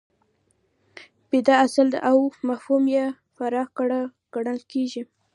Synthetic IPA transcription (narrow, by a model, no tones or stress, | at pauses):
b̥ɪd̪aasəld̪ə̰ʔawmahhumje | faɾɑɡɽ | ɡ̥aɽalkeʒi